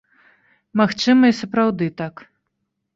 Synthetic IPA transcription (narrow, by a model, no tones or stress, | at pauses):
maxt͡ʂɨmɐisɐpɾawd̪ɨt̪ak